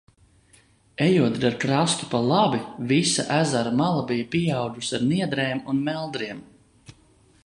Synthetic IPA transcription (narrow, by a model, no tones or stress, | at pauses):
ejuɔd̪ɾaɾkɾast̪u̥palˠabivisa̰ʔæzaɾamalˠabijapiɛawɡ̪usaɾniɛd̪ɾɛːmunmɛlˠd̪ɾiɛm